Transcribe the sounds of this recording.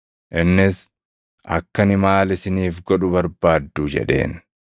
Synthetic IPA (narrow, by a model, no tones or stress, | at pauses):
ʔɪnːɪs | ʔɐ̰kːɐnɪmaːlɪsɪniːfɡɔᶑʊbɐɾbaːd̪ːud͡ʒɛ̰ᶑe̞̰ːn